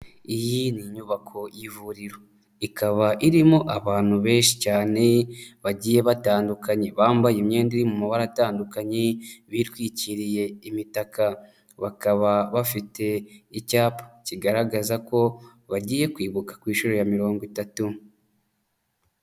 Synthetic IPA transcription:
ijiniɲuβakʰo̞jivuɾiɾo̞ | ikʰaβaʔiɾimo̞ʔaβaːn̥huβe̞ːnʃi̥caːne̞βaɟiːje̞βataːndukaɲe̞βaːmbajemɲe̞ːndiɾimumaβaɾataːndukaɲeβitwiːciɾije̞imitaka | βakaβaβafite̞icaːpḁciɡaɾaɡazako̞ | βaɟiːje̞kwiːβukḁkwiːʃuɾo̞jamiɾo̞ːŋɡwitatu

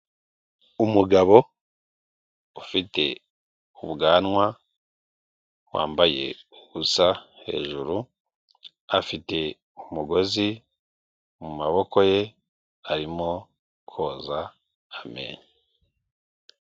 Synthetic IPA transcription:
umuɡaβo̞ | ufite̞ | uβuɡaːnwa | wa̰ːmbaje̞̰uɡusahe̞̰ːʒuɾu | afite̞ | umuɡo̞zi | mumaβo̞ko̞je̞ | aɾimo̞ | kʰo̞ːzaː | mḛːɲi

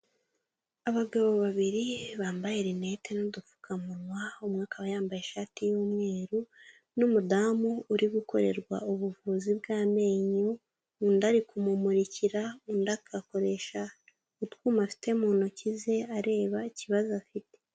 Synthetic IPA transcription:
aβaɡaβoβaβiɾiβaːmbajeɾine̞te̞nodufu̥kʰamunwaumŋaːkaβajaːmbajeʃaːtijuːmŋe̞ːɾu | numudamouɾiɡuko̞ɾe̞ɾɡwa̰uβuvuːzibɡaːme̞ːɲoː | ndaɾikumumuɾiciɾaundakʰako̞ɾe̞ʃa | utkuːmafi̥te̞monocize̞aɾe̞ːβaiciβazafite̥

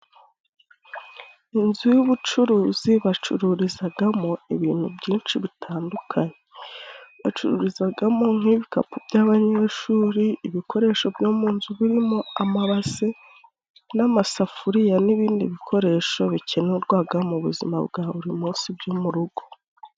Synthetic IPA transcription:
inzujuβut͡ʃuɾuːziβat͡ʃṵɾuɾizaɡamo̞iβiːn̥hubɟiːnt͡ʃiβitʰaːndukʰaɲe̞ | βat͡ʃuɾṵɾizaɡamo̞ŋ̥iβika̰pubɟaβaɲe̞ːʃuːɾiːβikʰo̞ɾe̞ːʃo̞bɟomuːnzuβiɾimoamaβase | namasafuɾijaniβiːndiβikʰo̞ɾe̞ʃo̞βicʰenuɾɡwaːɡamuβṵzima̰bɡaːβuɾimuːnsibjumuɾuɡ̥o̞

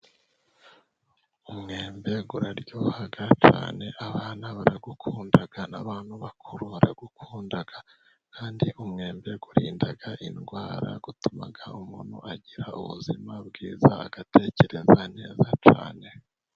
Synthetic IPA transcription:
umŋeːmbe̞ɡuɾaɾɟohaɡat͡ʃa̰ːne̞ʔaβaːnaβaɾaɡukʰuːndaɡ̥ana̰βaːnhuβakʰuɾuβaɾaɡukʰuːndaɡ̥a | kʰaːndiʔumŋe̞ːmbe̞ɡuɾiːndaɡaʔinɡwaːɾa̰ɡutuma̰ɡaumunṵʔaɟiɾaṵβṵzimabɡiːzaːɡ̥ate̞ce̞ɾe̞zane̞ːzat͡ʃa̰ːne̞

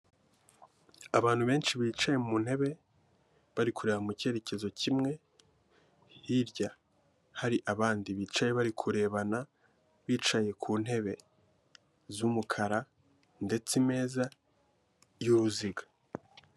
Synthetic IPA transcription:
aβaːn̥huβe̞ːnʃiβiːt͡ʃaje̞umun̥he̞βe̞ | βaɾikuɾeːhamuce̞ɾe̞ce̞zo̞cʰimŋe̞ | hiɾɟa | haɾiʔaβaːndiβiːt͡ʃaje̞βaɾikʰuɾe̞ːβana | βiːt͡ʃaje̞kʰuːn̥he̞βe̞ | zumukʰaɾa | nde̞t͡sime̞ːza | juβuziɡa

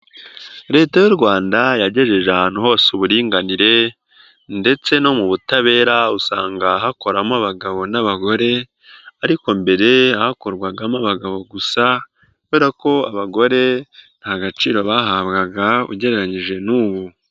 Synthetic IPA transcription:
ɾe̞ːtajuɾɡwaːndajaɟe̞ʒe̞ʒeahaːnhuho̞ːsuβuɾiːŋɡaniɾe̞ | nde̞t͡se̞no̞muβutaβe̞ːɾausaːŋɡaɦako̞ɾamaβaɡaβo̞naβaɡo̞ɾe̞ | aɾiko̞mbe̞ɾe̞ahako̞ɾɡwaɡamaβaɡaβo̞ɡusa | kkuβeːɾako̞aβaɡo̞ɾe̞n̥aɡat͡ʃiːɾo̞βaɦaβɡaɡaṵɟe̞ɾe̞ɾaɲiʒe̞nuːβu

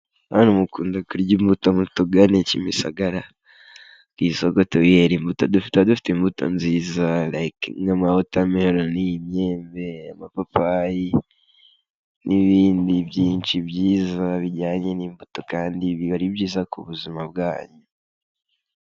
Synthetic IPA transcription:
anumukuːndakuɾɟimbutomutoɡanecimisa̰ɡaɾa | kisoɡotojeɾimbutodufi̥tadufi̥tembuto̞̰nziːzalakŋamahotamihoɾonijimɲeːmbe̞amapapaji | nʔiβiːndibjiːnt͡ʃibɟiːzaβiɟaːɲenimbuto̞kaːndiβiβaɾibɟiːzakuβuzimab̚ɡaːɲu

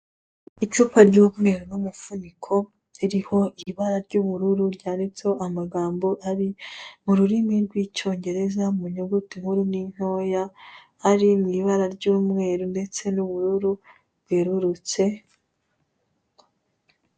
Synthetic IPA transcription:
it͡ʃuːpaɾɟuːmŋe̞ːɾonumufunikʰo̞ | iɾiho̞ʔiβaɾaɾɟuβuɾuɾuɾɟaːndit͡seoʔamaɡaːmbo̞ʔaɾimuɾuɾimiɾɡwiːco̞ːɲɟe̞ɾe̞zamuɲuɡutihuɾiniɲ̥o̞ːja | aɾimiːβaɾaɾɟuːmŋe̞ːɾunde̞t͡se̞nuβuɾuɾu | b̥ɡeɾuɾut͡se̞

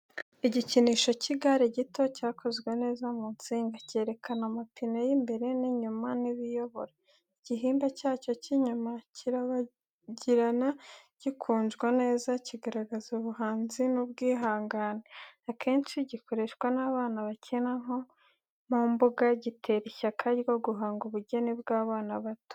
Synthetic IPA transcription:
iɟiciniːʃo̞ciɡaɾeɟito̞caːkʰo̞zɡwene̞ːzamuːnt͡siːŋɡace̞ːɾe̞kʰanamapinejimbe̞ɾe̞niɲumaniβijo̞βo̞ɾa | iɟ̥iɦiːmbacaːco̞ciɲumaciɾaβa | ɟiɾanaɟ̥ikʰuːnʒɡwane̞ːzaciɡaɾaɡazoβuɦaːnzinub̚ɡiːɦaːŋɡaːneakʰe̞ːnt͡ʃiɟiko̞ɾe̞ʃɡwanaβaːnaβacʰenaŋo | mumbuɡaɟitʰe̞ɾiçakʰajɡoɡuɦaːŋɡuβuɟe̞nibɡaːβaːnaβato̥

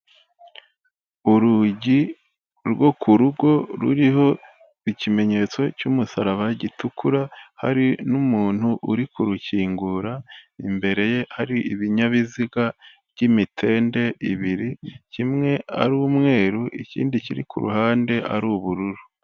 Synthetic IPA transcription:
uɾuɟi | ɾɡo̞kʰuɾuɡo̞ɾṵɾiho̞ | icime̞ɲe̞t͡so̞cumusaɾaβaɟitukuɾaha̰ɾinumuːn̥huʔuɾikuɾuciːŋɡuɾaimbe̞ɾe̞je̞haɾiiβiɲaβiziɡa | bɟimitʰe̞ːnde̞iβiɾicimŋe̞a̰ɾuːmŋe̞ːɾuʔicḭːndiciɾḭkʰṵɾṵhaːnde̞ʔa̰ɾuːβuɾuɾu

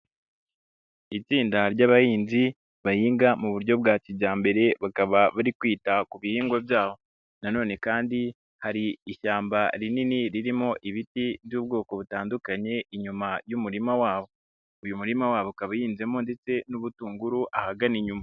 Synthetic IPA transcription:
it͡siːndaɾɟaβajiːnzi | βajiːŋɡamuβuɾɟo̞b̚ɡaːciɟaːmbe̞ɾe̞βakaβaβaɾikwiːtakuβihiːŋɡwabjaːβo̞ | nano̞ːne̞kaːndi | haɾiːʃaːmbaɾininiɾiɾimo̞ʔiβitiβjuːb̚ɡo̞ːko̞βutaːndukaɲe̞iɲumajumuɾimawaːβo̞ | ujumuɾimawaːβokaβajiːnze̞mo̞nde̞t͡se̞nuβutuːŋɡuɾuʔahaɡaniɲuma

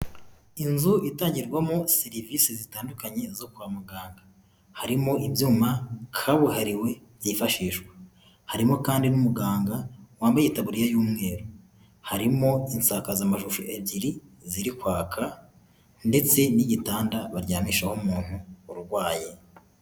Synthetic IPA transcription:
inzuitaːɲɟiɾɡwamo̞seɾiviːsizitaːndukaɲe̞zo̞kuamuɡaːŋɡḁ | haɾimo̞ibjuːmakʰaβuhaɾiwe̞ | jifaʃiːʃɡwḁ | haɾimo̞kaːndinumuɡaːŋɡawaːmbajitaβuɾijajuːmŋe̞ːɾo | haɾimo̞insakazamaʃuʃuʔebɟiɾiziɾikwaːkʰa | nde̞t͡se̞niɟitaːndaβaɾɟaːmiʃahomuːn̥huːɾuɾɡwaːje

